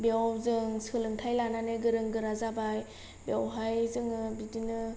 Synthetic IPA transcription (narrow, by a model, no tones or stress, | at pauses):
bewzɯŋsɯlɯŋtʰajlananɯɡɯɾɯŋɡɯɾazabaj | bewɦajzɯŋɯbidinɯ